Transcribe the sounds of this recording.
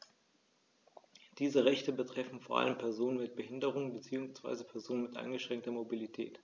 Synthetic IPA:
d̥iːzəʁɛçtəbətʁ̥ɛfn̩foːɐʔa̰ləmpʰɛɐzoːnənmɪt̚b̥əhɪndəʁ̞ʊŋənbət͡siːʊŋsv̥a̰ɪzəpʰɛɐzoːnənmɪtʔa̰ɪnɡəʃʁ̥ɛŋktɐmobilitʰɛ̰ːt

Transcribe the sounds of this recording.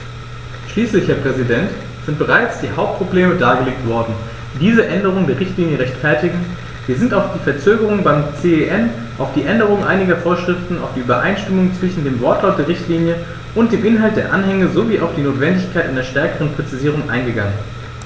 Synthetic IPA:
ʃliːslɪçhɛːɐpʁ̥ɛzidɛnt | z̥ɪnt̚b̥əʁaɪt͡sd̥iːhaʊp̚t̚pʁ̥obleːmədaːɡəleːk̚tv̥ɔɐdn̩ː | diːzəʔɛndəʁ̞ʊŋdeːʁɪçtliːnjəʁɛçtfɛɐtɪɡŋ̩ | v̥iːɐzɪntaʊfd̥iːfɛɐt͡søːɡəʁ̞ʊŋbaɪmt͡seeʔɛn | ʔaʊfd̥iːʔɛndəʁʊŋʔa̰ɪnɪɡɐfoːɐʃʁ̥ɪftn̩a̰ʊfd̥iːʔyːbɐʔa̰ɪnʃtɪmʊŋt͡sv̥ɪʃn̩deːmvɔɐtlaʊt̚d̥eːɐʁɪçtʰliːnjə | ʔʊnt̚d̥eːmʔɪnɦalt̚d̥eːɐʔanhɛŋəzoviːʔaʊfd̥iːnoːtv̥ɛndɪçkʰaɪtʔaneɐʃtɛɐkəʁənpʁ̥ɛt͡siziːʁ̞ʊŋʔa̰ɪnɡəɡaŋən

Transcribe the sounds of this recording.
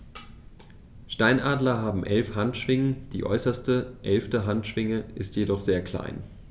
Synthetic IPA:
ʃtaɪnʔaːdlɐɦaːbm̩ʔɛlfhantʃv̥ɪŋənd̥ḭːʔɔ̰ʏsɐstəʔɛlftəɦantʃv̥ɪŋəʔɪstjedɔχz̥eːɐkl̥a̰ɪn

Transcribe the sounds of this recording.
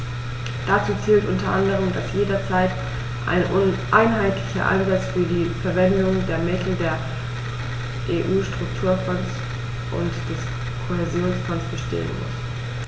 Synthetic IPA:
d̥at͡suːt͡siːltʔʊntɐʔandəʁ̞əmdasjeːdɐt͡saɪt | ʔa̰ɪnʔʊnʔaɪnɦaɪtʰlɪçɐ̰ʔa̰nzat͡sfyːɐdiːfɛɐvɛndʊŋdeːɐmɪtʰl̩deːɐ | ʔeʔuːʃtʁ̥ʊktʰuːɐfɔns | ʔʊ̰ntd̥ɛs | kʰohezjoːnsfɔnsb̥əʃtʰḛːə̰nmʊ̰s

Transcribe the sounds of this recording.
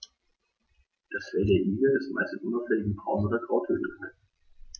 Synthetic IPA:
d̥asfɛldeːɐʔiːɡədɛsmʔa̰ɪstɪnʔʊnaʊfɛlɪɡŋ̩bʁaʊnodɐɡʁaʊthø̰ːt̩kaɪ

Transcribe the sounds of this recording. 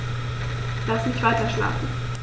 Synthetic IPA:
lasmɪçtv̥aɪtɐʃla̰ːfn̩

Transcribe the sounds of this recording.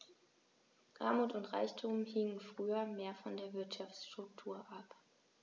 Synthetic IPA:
ʁa̰ːmuːtʊntʁ̥a̰ɪçtʰuːmhɪŋənfʁ̥yːɐmeːɐfɔndeːɐvɪɐtʃaft͡sʃtʁ̥ʊk̚tʰuːɐʔap

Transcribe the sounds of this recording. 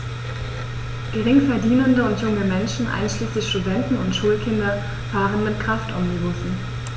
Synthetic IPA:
ɡ̥əʁɪŋfɛɐdiːnəndəʊntjʊŋəmɛnʃn̩ʔa̰ɪnʃliːslɪçʃtudɛntn̩ʊntʃuːlkʰɪndɐ | v̥aːʁənmɪtkʁ̥aftʔɔmnibʊsn̩

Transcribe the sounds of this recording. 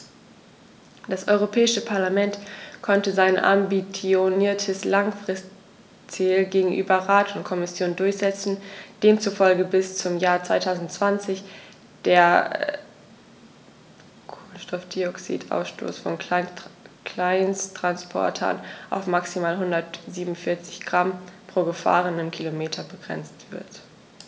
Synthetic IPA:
d̥asʔɔ̰ʏʁ̞opʰɛːɪʃəpʰaɐlamɛntkʰɔntəzaɪnʔa̰mbit͡sjoniːɐtʰəslaŋfʁ̥ɪst | t͡silɡeːɡŋ̩ʔy̰ːbɐʁaːtʰʊntkʰɔmɪsjoːndʊɐçz̥ɛt͡sn̩d̥eːmt͡sufɔlɡəbɪst͡sʊmjaːɐt͡sv̥aɪtʰaʊzn̩tt͡sv̥ant͡sɪç | d̥eːɐ | kʰʊnʃtɔftd̥iɔksḭːtʰʔa̰ʊsʃto̰ːsfɔn | kl̥aɪnstʁ̥anspʰɔ̰ɐtʰɐ̰nʔa̰ʊfmaksimaːlɦʊndɐtz̥iːbmʊnfɪɐt͡sɪ̥çɡ̥ʁampʁ̥oːɡəfa̰ːʁənɪmkʰilomeːtʰɐbəɡʁɛ̰nt͡stv̥ɪ̰ɐt

